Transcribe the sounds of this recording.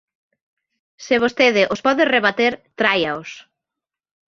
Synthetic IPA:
seβ̞ost̪eðɪʔospɔðɪreβat̪eɾt̪ɾajaos

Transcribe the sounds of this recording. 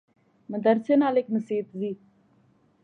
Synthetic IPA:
məd̪əɾsenaːlekməsiːt̪ziː

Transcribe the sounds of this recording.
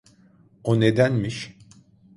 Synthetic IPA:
oned̪ænmiʃ

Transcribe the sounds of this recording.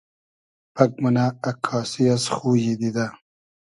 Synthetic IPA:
pʰɐk̚munaːkʰɑːsiasxujid̪id̪a

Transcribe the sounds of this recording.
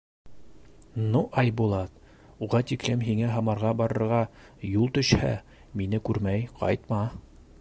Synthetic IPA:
nuʔɑjbulˠɑt̪ | uʁɑt̪iklɘmɦiŋæɦɑmɑɾʁɑbɑɾɤ̆ɾʁɑ | julˠt̪ɵ̆ʃhæ̰ | minɘkʉɾmæjqʰɑ̰jt̪mɑ

